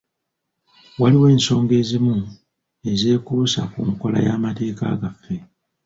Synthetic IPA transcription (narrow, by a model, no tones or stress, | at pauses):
waliwe̞ːnso̞ːŋɡe̞ːzimu | e̞ze̞ːkusakuŋko̞la̰ja̰ːmate̞ːka̰ːɡafːe̞